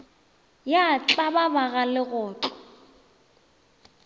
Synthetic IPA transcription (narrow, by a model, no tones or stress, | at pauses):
jat͡ɬʼababaɣalɪɣʊːt͡ɬʼɔ̥